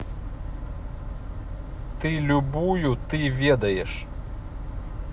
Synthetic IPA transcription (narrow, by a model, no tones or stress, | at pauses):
t̪ɐɪlʲʊbuːjut̪ɐɪʋʲiɛd̪ɐɪʃ